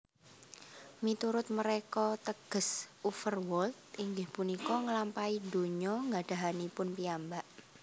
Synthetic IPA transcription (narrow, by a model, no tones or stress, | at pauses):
mit̪uɾʊt̪̚məɾekɔt̪əɡ̥ə̤sufərwɔlt̪̚iŋɡɪhpunikɔŋəlampaido̤ɲɔŋɡaɖ̥a̤ɦanipʊnpiambaʔ